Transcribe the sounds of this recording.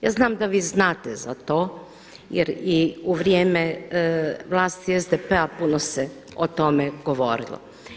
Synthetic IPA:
jaːznaːmd̪aʋiːznaːt̪eza̰t̪oː | jeɾiuʋɾjeːme | ʋlˠaːst̪iezd̪epeapunose | ot̪omeɡ̥oʋoɾḭlo̰

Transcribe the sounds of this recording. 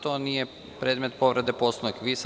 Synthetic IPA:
t̪onije | pɾeːd̪me̞t̪po̞ʋɾed̪eposloikʋis

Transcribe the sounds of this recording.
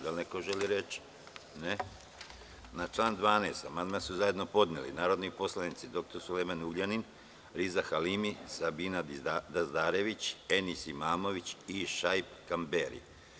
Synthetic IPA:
d̪alnekoʒeliɾe̞t͡ɕ | ne | nat͡ʃlˠaːnd̪ʋaːneːst̪amand̪masuzaje̞d̪no̞po̞d̪nelḭnaːɾo̞d̪nipo̞slˠanit̪sid̪o̞kt̪oɾsulemenuɡʎanin | ɾizaxalimisabiːnad̪azd̪aːɾe̞ʋit͡ɕe̞nisimaːmo̞ʋit͡ɕiʃajpkambeɾḭ

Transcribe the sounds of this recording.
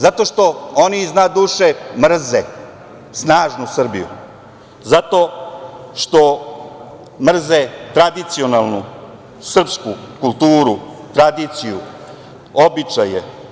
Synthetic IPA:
zat̪o̞ʃt̪o̞oniiznad̪uːʃemr̩ze | snaːʒnusr̩bijṵ | zat̪o̞ | ʃt̪o̞ | mr̩zet̪ɾad̪it̪sionalˠnu | sr̩psku | kulˠt̪uːɾu | t̪ɾad̪it̪siju | obit͡ʃaje

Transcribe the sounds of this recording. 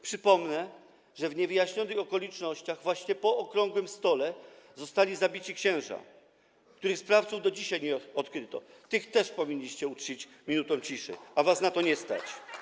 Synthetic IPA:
pʂɘpɔmnɛ | ʐɛvɲɛvɘjaɕɲɔnɘxɔkɔlʲit͡ʂnɔɕt͡ɕaɣvwaɕɲɛpɔːkɾɔŋɡwɘmst̪ɔlɛ | zɔst̪alʲizabʲit͡ɕikɕɛ̃w̃ʐa̰ | kt̪uɾɘxspɾaft̪suvd̪ɔd͡ʑiɕajɲɛɔt̪kɾɘt̪ɔ̰t̪ɘxt̪ɛʂpɔvʲiɲʲːiɕt͡ɕɛut͡ʂit͡ɕmʲinut̪ɔ̃w̃t͡ɕiʂɘ̰avasnat̪ɔɲɛst̪a̰t͡ɕ

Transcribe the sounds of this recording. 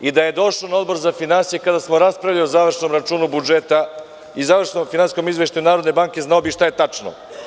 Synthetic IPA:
id̪ajed̪o̞ʃlonaod̪bo̞ɾzafinansijekad̪asmoɾaspɾavʎaiozaːʋr̩ʃno̞mɾat͡ʂuːnubud͡ʒet̪a | izaːʋr̩ʃnomfinansisko̞mizʋeʃt̪ujunaːɾod̪ne̞baŋke̞znaobiʃt̪aje̞t̪at͡ʂno̰

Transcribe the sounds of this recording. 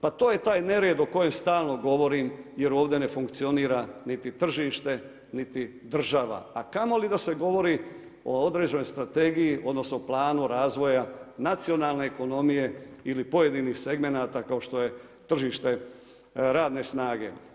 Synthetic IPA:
pat̪o̞ːje̞t̪aːjne̞ɾeːd̪o̞ko̞je̞mst̪aːlˠno̞ɡo̞ʋo̞ɾimjeɾo̞ːʋd̪e̞ne̞fuŋkt̪sio̞niːɾanit̪it̪r̩ʒiːʃt̪e̞ | nit̪i | d̪r̩ʒaʋa̰akamo̞lid̪aseɡo̞ʋo̞ɾi | o̞̰od̪ɾe̞ːd͡ʑeno̞jst̪ɾat̪e̞ːɡijiʔo̞d̪no̞snoplˠaːnuɾaːzʋo̞janat̪sio̞naːlˠne̞ːko̞no̞mije̞ilipo̞je̞d̪iniːxse̞ɡme̞naːt̪akao̞ʃt̪o̞je̞ | t̪r̩ʒiːʃt̪e̞ | ɾaːd̪ne̞snaːɡe̞̰

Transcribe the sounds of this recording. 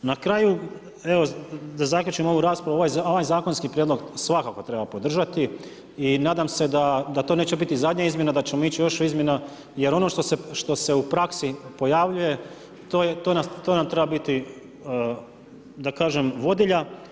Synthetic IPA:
nakɾaːju | eʋo̞d̪azakʎʲut͡ʃimo̞ʋuɾaːspɾauoʋajzoʋajzaːko̞nskipɾjed̪lo̞ɡsʋakako̞t̪ɾe̞bapo̞d̪r̩ʒat̪i | inaːd̪amse̞d̪ad̪at̪one̞ːt͡ɕe̞bit̪izad̪ɲaizmjenad̪at͡ɕemo̞it͡ɕijo̞ʃuizmʲje̞na | je̞ɾo̞no̞ʃt̪oseʃt̪o̞se̞upɾaksipo̞jaʋʎuje̞ | t̪oːjet̪onat̪oːnamt̪ɾe̞babit̪i | d̪akaːʒe̞mʋo̞d̪iʎa

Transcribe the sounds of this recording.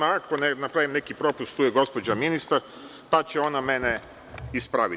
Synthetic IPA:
aakonenapɾaʋimnekipɾo̞pust̪ːuːjeɡo̞spo̞d͡ʑaminist̪aɾ | pat͡ɕeo̞name̞ne | ispɾaʋi

